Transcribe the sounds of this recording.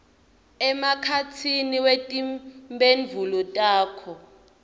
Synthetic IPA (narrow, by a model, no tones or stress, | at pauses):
ɛmakʰat͡sʰiniwetʼimbenvʱulɔtʼaːkʰɔ